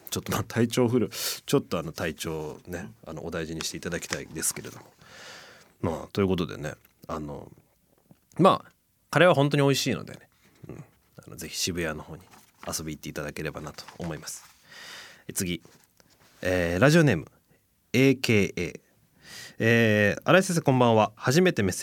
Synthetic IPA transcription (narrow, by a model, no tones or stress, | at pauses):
t͡ɕot̪ːomat̪ʰait͡ɕo̞ːɸɯ̟ɾɯ̟t͡ɕo̞t̪ːo̞anot̪ait͡ɕo̞ːne̞ano̞̰ʔod̪aiʑiɲ̟iɕi̥t̪e̞it̪ad̪akʲi̥t̪aḭd̪e̞sɨ̥ke̞ɾe̞d̪o̞mo̞ | mat̪o̞jiɯ̟ko̞t̪o̞d̪ḛne̞̰ | ano̞̰ | ma | kaɾe̞β̞aɦõ̞nt̪̬o̞ɲ̟io̞iɕiːno̰d̪ḛne̞ | ɯ̟̰̃ɴ | a̰no̞̰ze̞çi̥ɕibɯ̟jano̞ho̞ːɲ̟i | aso̞bʲiːt̪ːeit̪ad̪ake̞ɾe̞banat̪o̥ːmo̞imasɨ̥ | et͡sɨɡʲi | eːɾaʑio̞ne̞ːmɯ̟ | eːke̞ːeː | eːaɾaises̬ekõ̞mbãɰ̃βahaʑime̞t̪e̞me̞se